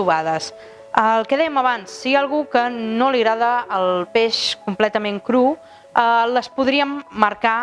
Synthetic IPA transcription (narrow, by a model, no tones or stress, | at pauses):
uβaðəs | əlˠkɛðɛjəməβansːialˠɣukənoliɣɾaðəːlˠpeʃkumplɛt̪əmẽŋkɾu | ələspuðɾiəmːəɾka